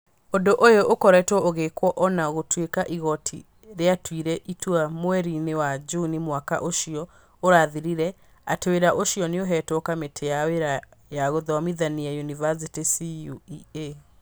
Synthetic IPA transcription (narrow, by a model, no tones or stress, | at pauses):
ondoʔojoʔokɔɾɛtwɔʔoɣekwɔʔɔnaoɣotwekaʔiɣɔtʰḭ | ɾeatwiɾɛʔitwamwɛɾinewad͡ʒunimwaka̰ʔoʃiɔ | oɾaðiɾiɾɛ | ateweɾaʔoʃiɔneoɦɛtokametʰejaweɾajaɣoðɔwamiðaniaunivas̬itisiuie